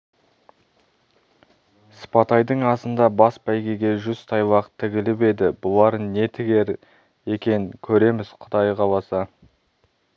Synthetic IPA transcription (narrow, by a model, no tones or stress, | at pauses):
spɑt̪ɑjd̪əɴɑsənd̪ɑbɑsbæjɡʲe̞ɡʲe̞ʒʏz̥t̪ʰɑjlˠɑqt̪ʰɪɡʲɪlɪpe̞d̪ɪbʊlˠɑɾənne̞t̪ʰɪɡʲe̞ɾ | e̞kʲe̞nkʲʰɵɾe̞mɪz̥qʰʊd̪ɑjqɑlˠɑsɑ